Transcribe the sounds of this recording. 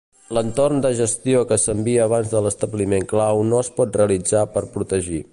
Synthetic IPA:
lənt̪ornd̪əʒəst̪iokəsəmbiəːβanzðələst̪əβlimeŋklawnoəspɔt̪̚reəlid͡zapəɾpɾut̪əʒi

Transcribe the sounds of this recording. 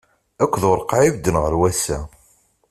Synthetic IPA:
ækʷːðoɾˤqaʕiɡd̪ːənʁəɾwæsæ

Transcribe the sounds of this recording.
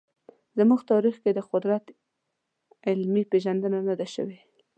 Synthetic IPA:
zəmuɣt̪ɑɾixked̪əqʊd̪ɾat̪ | ɪlmipeʒand̪ənanad̪aʃə̰we

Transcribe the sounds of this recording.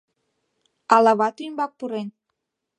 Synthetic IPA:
ɑlɑβɑt̪yjmbɑk̚puɾen

